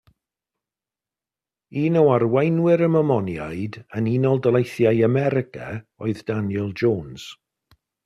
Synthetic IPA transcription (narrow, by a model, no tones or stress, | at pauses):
iːnɔwarwejnwɪɾəmɔmɔnjajdəninɔlˠdəlˠejθjajamɛɾɪkʰa̰ɔɨðd̥anjɛlˠd͡ʒoːnz̥